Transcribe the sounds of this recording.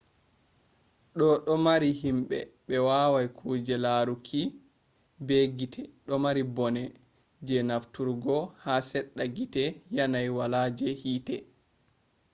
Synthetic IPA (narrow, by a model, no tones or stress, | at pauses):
ɗɔɗɔmaɾihimɓɛɓɛwawajkʰuːd͡ʒɛlaɾukʰi | beɡitʰɛɗɔmaɾibɔnɛ | d͡ʒɛnaftuɾɡɔhasɛɗːaɡitɛjanajwalad͡ʒɛhiːtɛ